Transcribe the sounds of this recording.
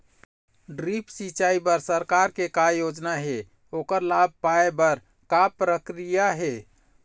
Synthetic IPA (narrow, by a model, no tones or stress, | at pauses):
ɖɾipsit͡ʃaibəɾsəɾkaɾkekajod͡ʒnaɦe | okəɾlab̚paebəɾ | kapɾəkɾijaɦe